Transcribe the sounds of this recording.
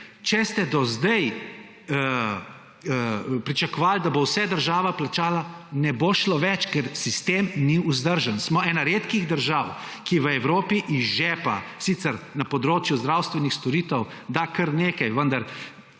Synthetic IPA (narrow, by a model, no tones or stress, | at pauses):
t͡ʃɛst̪ɛd̪ɔzd̪ɛj | ə | pɾit͡ʃakɔʋaːld̪abowsɛd̪əɾʒaːʋaplat͡ʃaːlanɛboʃlɔʋɛt͡ʃkɛɾsist̪emniuzd̪əɾʒənsmɔɛːnaɾeːt̪kiɣd̪əɾʒaw | kiʋəɛwɾoːpiʔizʒɛːpa̰siːt̪sɛɾnapɔd̪ɾoːt͡ʃjuzd̪ɾawst̪ʋɛnixst̪ɔɾiːt̪əw | d̪akəɾneːkajʋənd̪ɐɾ